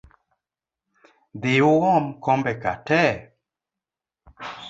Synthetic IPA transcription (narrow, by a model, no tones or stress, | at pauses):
dɪʊɣɔmkɔmbɛka̰tɛ